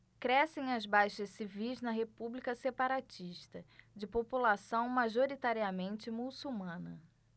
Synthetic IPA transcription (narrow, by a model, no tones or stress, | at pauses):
kɾɛsẽj̃ɐzbajʃɐssivijznɐɦepublikɐsepaɾat͡ʃiʃt̪ɐd͡ʒɪpopulasɐ̃w̃maʒoɾit̪aɾiɐmẽnt͡ʃɪmusuwmɐ̃nɐ